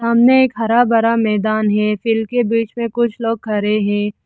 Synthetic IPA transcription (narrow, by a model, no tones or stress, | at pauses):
saːmneeːkɦɐɾabɐɾamɛːd̪aːnɦɛfɪlmkebiːt͡ʃmẽkʊt͡ʃʰloːɡ̚kʰɐɾeɦɛ̃ː